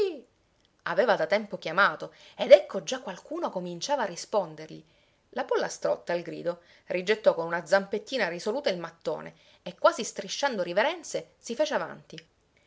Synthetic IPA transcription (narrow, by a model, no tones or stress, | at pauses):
i | a̰veːvad̪at̪ɛmpokjamaːt̪oed̪ɛkʰːod͡ʒakːwalkuːnokomint͡ʃaːvaːrːispɔnd̪erʎi | lapolːast̪ɾo̰t̪ːalɡɾḭːd̪o | rʔid͡ʒet̪ːɔkonunad̪zːampet̪ːiːnarisoluːt̪ailmat̪ːo̰ːnḛ | ekːwaːzist̪ɾiʃːand̪oɾiveɾɛnt̪sesifeːt͡ʃeava̰nt̪i